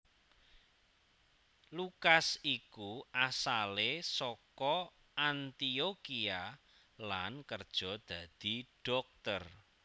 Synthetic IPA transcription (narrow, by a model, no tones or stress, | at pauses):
lukasikuasalesɔkɔ | ant̪iokia | lankərd̥ʒ̥ɔ̤d̪̥ä̤d̪̥i̤ɖ̥ɔ̤k̚t̪ər